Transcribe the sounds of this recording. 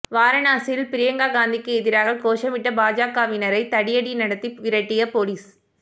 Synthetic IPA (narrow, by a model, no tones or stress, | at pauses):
ʋaːɾɐnaːsɪjɪlpɪɾɪjɐŋɡaːɡaːnd̪ɪkːɯɛðɪɾaːɣɐkoːʃɐmɪʈːɐbaːd͡ʒaːkaːʋɪnɐɾɐɪt̪ɐɽɪjɐɽinɐɽɐt̪ːiʋɪɾɐʈːɪjɐpoːliːs